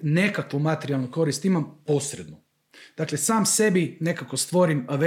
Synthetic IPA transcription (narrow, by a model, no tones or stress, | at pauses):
ne̞kakʋomat̪eɾialˠnoko̞ɾist̪imampo̞sɾed̪nu | d̪̥aklesaːmse̞bine̞kako̞st̪ʋo̞ɾimʋe